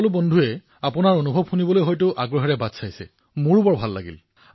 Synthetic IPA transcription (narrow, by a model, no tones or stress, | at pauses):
lʊbɔndʱuɛ | apʊnaɹonubʱɔbxunibɔlojɦɔjtʊʔaɡɹɔɦɛɹɛbadsajsɛ̰ | muɹupɔɹbʱalːa̰ɡḭl